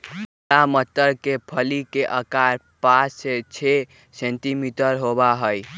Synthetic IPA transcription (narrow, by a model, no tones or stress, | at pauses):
lamət̪ːəɾkepʰəlikeʔəkaɾpaset͡ʃʰe | sẽnʈimiʈəɾɦobaɦəj